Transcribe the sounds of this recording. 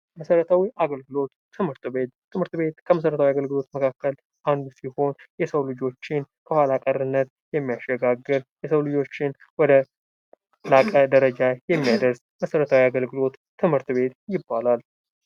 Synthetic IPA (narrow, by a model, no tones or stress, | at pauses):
məsəɾət̪ʰawiʔaɡəlɡɨlo̞t̪ʰːɨmhɨɾt̪be̞t̪ʰːɨmhɨɾt̪be̞t̪kʰəməs̬əɾət̪ʰawiaɡəlɡɨlo̞t̪məkʰakːəl | ʔand̪siho̞njɛsəwlɨd͡ʒo̞t͡ʃːɪnkʰəhʷalakʼəɾɨnːət̪ | jɛmːijaʃɛɡaɡːɨɾjɛsəwlɨd͡ʒo̞t͡ʃːɪn | wɔd̪ə | lakʼəd̪əɾəd͡ʒajɛmːijad̪əɾs | məsəɾət̪ʰawiaɡəlɡɨlo̞t̪ːɨmhɨɾt̪be̞t̪jɪbːalal